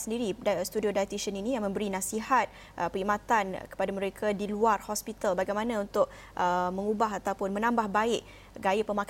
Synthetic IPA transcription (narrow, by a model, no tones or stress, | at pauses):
səndiɾidst̪udiodajt̪isəninĩjaŋmə̃mbəɾinãsiɦat̪̚ | ʔəpəimãt̪ankə̥padaməɾekʰadiluarhɔspit̪albaɡajmãnãunt̪ʊʔ̚ | ʔəmə̃ŋubaɦat̪awpʊnmə̃nãmbahbaɪʔ | ɡajapəmãk